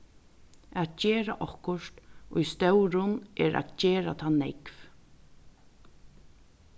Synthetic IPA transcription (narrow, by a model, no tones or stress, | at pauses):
at̪̚cɛːɾa̰ʔɔhkʊʂt̪ʊjst̪œwɾʊnʔɛːɾa̰t̪cɛːɾa̰t̪ʰanɛkv